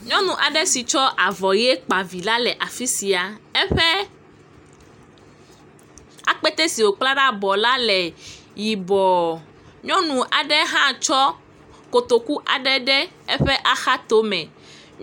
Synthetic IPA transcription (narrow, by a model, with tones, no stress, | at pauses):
ɲɔ̃˦nũ˨ʔa˨ɖɛ˦si˨t͡ʃɔ˦ʔa˨vɔ˨je˦k͡pa˨vi˨la˦lɛ˨ʔa˨fi˦si˨a˨ɛ˦ɸɛ˦ | a˨k͡pɛ˦t̪ɛ˦si˨wo˨k͡pla˦ɖa˦bɔ˨la˦lɛ˨ | ji˨bɔ˨ | ɲɔ̃˦nũ˨ʔa˨ɖɛ˦ɦã˦t͡ʃɔ˦ | ko˨t̪o˨ku˦ʔa˨ɖɛ˦ɖɛ˦ | ɛ˦ɸɛ˦ʔa˦xa˦t̪o˦mɛ̃˨